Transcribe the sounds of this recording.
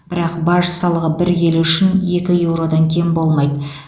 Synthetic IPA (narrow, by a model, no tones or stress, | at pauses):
b̥ɪɾɑqbɑɾʒəsɑlˠəʁəbɪɾjʲe̞lʏʃɪne̞kʲɪje̞wɾo̞d̪ɑŋkʲʰejɪmbo̞lˠmɑjd̪ə